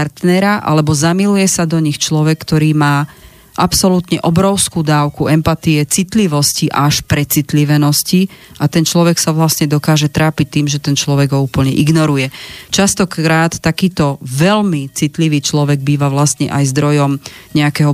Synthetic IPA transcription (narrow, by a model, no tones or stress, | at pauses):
aɾt̪nɛɾaʔa̰lɛbɔzamilujɛsad̪ɔɲixt͡ʃlɔʋɛkːt̪ɔɾiːmaː | ʔapsɔlut̪ɲɛʔɔbɾɔʊskuːd̪aːʊkuɛmpat̪iɛt͡sit̪liʋɔsciʔaʃpɾɛt͡sit̪liʋɛnɔsci | ʔat̪ɛnt͡ʃlɔʋɛksaʋlasɲɛd̪ɔkaːʒɛt̪ɾaːpic̚t̪ːiːmʒɛt̪ɛnt͡ʃlɔʋɛɡɦɔuːpl̩ɲɛʔiɡnɔɾujɛt͡ʃast̪ɔkɾaːt̪ːakiːt̪ɔʋɛlmit͡sit̪liʋiːt͡ʃlɔʋɛɡ̚biːʋaʋlast̪ɲɛ̰ʔajzd̪ɾɔjɔmɲɛakɛɦɔ